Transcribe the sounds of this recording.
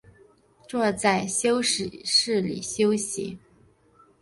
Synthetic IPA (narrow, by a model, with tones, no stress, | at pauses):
ʈ͡ʂwɔ˥˧t͡sa˥˩ɪɕjo˥ʊʂ̩˨˩ʂɻ̩˥˩lḭ˨˩ɕjo˥ʊɕḭ˧˥˦